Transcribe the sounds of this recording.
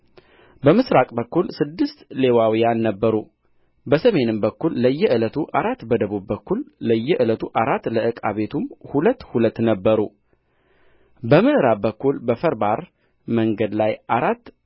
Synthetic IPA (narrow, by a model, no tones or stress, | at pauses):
bəmɨsɾakʼbəkːulsɨd̪ːɨst̪le̞wawijanːəbːəɾu | bəsəme̞nɨmbəkːulːəjːɛʔɨlət̪ʰuʔaɾat̪ːbəd̪əβubbəkːulːəjːɛʔɨlət̪ʰuʔaɾat̪ːləʔɨkʼa̰βe̞t̪ʰumhulət̪ːhulət̪ːnəbːəɾu | bəmɨʔɨɾabəkːulbəfəɾbaɾ | məŋɡəd̪lajaɾat̪ː